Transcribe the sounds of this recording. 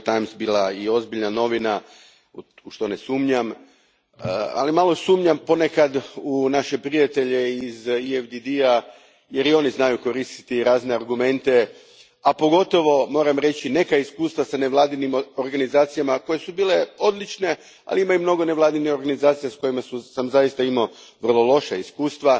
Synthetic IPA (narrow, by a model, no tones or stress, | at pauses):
t̪ajmsbiːlˠaio̞zbiʎnano̞ʋina | uʃt̪o̞ne̞suːmɲam | a̰limalo̞suːmɲampo̞ne̞kad̪unaʃe̞pɾijat̪e̞ʎe̞iziefd̪id̪ia | je̞ɾio̞niznajuko̞ɾist̪i̥t̪iɾaːzne̞aɾɡume̞nt̪e̞ | apo̞ɡo̞t̪o̞ʋo̞mo̞ːɾamɾe̞t͡ɕine̞kaiskuːst̪ʋasane̞ʋlˠaːd̪inimo̞ɾɡanizaːt̪sijamako̞je̞subiːle̞o̞d̪lit͡ʃne̞ | a̰liimaumno̞ɡo̞ne̞ʋlˠaːd̪inixo̞ɾɡanizaːt̪sijasko̞jimasusamzajist̪aimoʋər̩lˠo̞lˠo̞ʃaiskuːst̪ʋa